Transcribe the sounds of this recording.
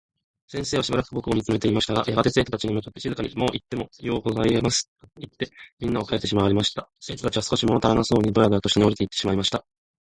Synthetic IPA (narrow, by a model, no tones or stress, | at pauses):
sẽseːβaɕibaɾakɯ̟bo̞kɯo̞mʲit͡sɨme̞t̪e̞imaɕi̥t̪aɡa̰jaɡat̪e̞se̞ːt̪o̞t̪at͡ɕiɲ̟imɯ̟kḁt̪ːeizɨkaɲ̟ḭmo̞ːʔit̪ːe̞mo̞jo̞ːɡozaiemasɨ̥ | it̪ːe̞mʲĩnːaokaet̪ːe̞ɕ̬imaβaɾʲimaɕi̥t̪ase̞ːt̪o̞t̪at͡ɕiβasɨ̥ko̞ɕimot̪aɾanaso̞ːɲ̟id̪oɾaɡɯat̪o̞ɕit̪eeoɾit̪eit̪ːe̞ɕimaimaɕi̥t̪a